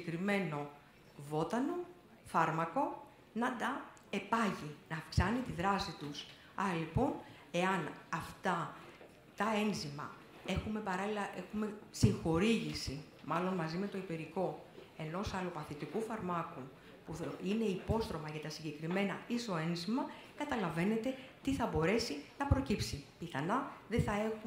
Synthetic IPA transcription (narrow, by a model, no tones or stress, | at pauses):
ekɾime̞no̞ | vo̞t̪ɐno̞ | fɐɾmɐko̞ | nɐt̪ɐ | epɐʝinɐːfksɐnit̪iðɾɐsit̪us | ɐɾɐlipo̞n | e̞ɐnɐft̪ɐ | t̪ɐe̞nzimɐ̰ | e̞xume̞pɐɾɐlilɐʔe̞xume̞siŋxo̞ɾiʝisi | mɐlo̞nmɐzime̞t̪o̞ipeɾiko̞ | e̞no̞sɐlupɐθit̪ikufɐɾmɐku | puine̞ipo̞st̪ɾo̞mɐʝɐt̪ɐsiɲɟe̞kɾime̞nɐiso̞e̞nzimɐ | kɐt̪ɐlɐve̞ne̞t̪e̞t̪iθɐbo̞ɾe̞sinɐpɾocipsipiθɐnɐðe̞θɐe̞xu